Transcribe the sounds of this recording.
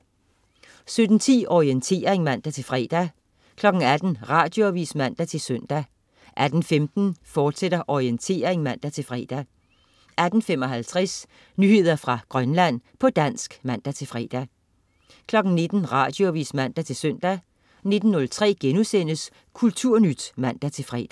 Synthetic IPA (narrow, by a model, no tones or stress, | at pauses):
sød̥n̩t͡sʰḭːɒient͡sʰe̝̰ːɐʁeŋmæn̰d̥æt͡sʰe̝lfʁɛ̰ːd̥æ | kʰlɒ̽ɡ̥n̩æd̥n̩ʁɑ̈ːd̥jo̝æʋḭːsmæn̰d̥æt͡sʰe̝lsøn̰d̥æ | ʔæd̥n̩femd̥n̩fɒːd̥seɾ̥ɐʔɒʁient͡sʰe̝̰ːɐʁeŋmæn̰d̥æt͡sʰe̝lfʁɛ̰ːd̥æ | ʔæd̥n̩femɒ̽ɦælt͡sʰʁɛs | nyhe̝ð̞̰ˠɐfʁɑ̈ɡ̥ʁɶnlæn̰pʰɒ̽d̥æn̰sɡ̥mæn̰d̥æt͡sʰe̝lfʁɛ̰ːd̥æ | kʰlɒ̽ɡ̥n̩ne̝d̥n̩ʁɑ̈ːd̥jo̝æʋḭːsmæn̰d̥æt͡sʰe̝lsøn̰d̥æ | ne̝d̥n̩ːɔ̽lt͡sʰʁɛ̰ːɡ̥enusen̰əs | kʰult͡sʰuɐ̰nyd̥mæn̰d̥æt͡sʰe̝fʁɛ̰ːd̥æ